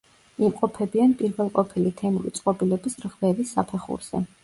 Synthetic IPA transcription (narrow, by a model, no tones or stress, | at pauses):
imqʼɔpʰɛbianpʼiɾvɛlˠqʼɔpʰilit̪ʰɛmuɾḭt̪sʼqʼɔbilɛbisɾʁvɛvisːapʰɛχṵɾz̥ɛ̰